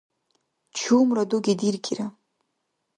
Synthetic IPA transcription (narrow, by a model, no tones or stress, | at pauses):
t͡ʃʰuːmraduɡʲidirɡʲiɾa